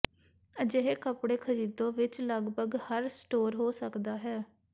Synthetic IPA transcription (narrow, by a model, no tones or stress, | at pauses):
d͡ʒeɦeːkəpɽeːkʰəɾiːd̪õːʋɪt͡ʃləɡbʱəɡhəɾsʈoːɾɦoːsəkd̪aːɦɛː